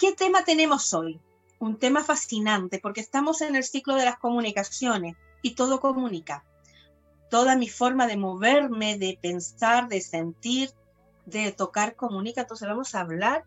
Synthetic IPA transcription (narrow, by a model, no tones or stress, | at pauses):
ke̞t̪e̞mat̪e̞nẽ̞mo̞so̞j | unt̪e̞mafasinãnt̪e̞po̞ɾkest̪amo̞se̞ne̞lsikloð̞e̞lasko̞mũnikasjo̞ne̞s | it̪o̞ð̞o̞komũnika | t̪o̞ðamifo̞ɾmaðe̞mo̞β̞e̞ɾme̞ðepe̞nsaɾðe̞se̞nt̪iɾ | ðe̞t̪o̞kaɾko̞mũnikaent̪o̞nse̞zβamo̞saːβlaɾ